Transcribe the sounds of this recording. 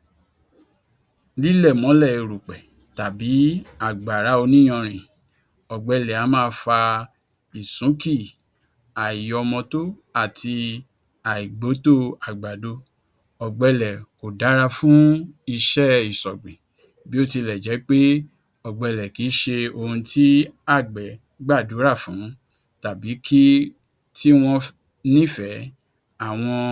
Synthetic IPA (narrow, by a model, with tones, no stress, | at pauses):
li˦lɛ˦˨mɔ̃˨˦lɛ˦˨i˨ɾu˨k͡pɛ˨ | ta˨bi˨˦a˨ɡ͡ba˨ɾa˨˦o˧nĩ˦ɔ̃˧ɾ̃ĩ˨ | ɔ˨ɡ͡bɛ˧lɛ˨a˨˦mãː˦˧˦fa˧ | i˨sũ˨˦ki˦˨ | a˨i˨jɔ˧mɔ̃˧to˦ | a˦˨tʰi˧ | a˨i˨ɡ͡bo˨˦to˦a˨ɡ͡ba˨do˨˦ | ɔ˨ɡ͡bɛ˧lɛ˨ko˨da˨˦ɾa˧fũ˦i˧ʃɛ˦i˨sɔ˨ɡ͡bĩ˨ | bi˨˦o˦ti˧lɛ˨d͡ʒɛ˨˦k͡pe˦ | ɔ˨ɡ͡bɛ˧lɛ˨ki˨˦ʃe˧o˧hũ˧ti˦a˦˨ɡ͡bɛ˨ | ɡ͡ba˦˨du˨˦ɾa˦˨fũ˨˦ | ta˨bi˨˦ki˦ | ti˦w̃ɔ̃˧ | nĩ˦fɛ˨˦ | a˦˨w̃ɔ̃˧